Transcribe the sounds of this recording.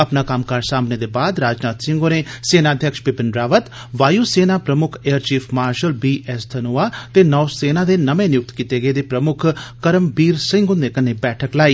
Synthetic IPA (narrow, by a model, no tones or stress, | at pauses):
əpnaːkɐmkaɾsaːmneːd̪eːbaːd̪ɾaːd͡ʒnaːt̪sɪ̃ŋɡoneːseːnaːd̪ʱjəkʃpɪpɪnɖɾaːʋət̪ | ʋaːjuːseːnaːpɾəmʊkʰeːəɾt͡ʃiːpʰmaːɾʃəlbiːʔɛst̪ʰənoːaːt̪eːnɔːseːnãːd̪eːnəmẽːnɪjʊk̚t̪kit̪eɡəed̪eːpɾəmʊkʰkəɾəmbiːɾsɪ̃ŋɡʊnd̪eːkəneːbɛːʈʰəklaːiː